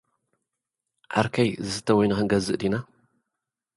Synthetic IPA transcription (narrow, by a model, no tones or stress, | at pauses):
ʔa̰ɾkʰɐjzɨsɨ̥t̪ʰːɐwɔjnɨxɨŋɡɐzɨʔd̪ina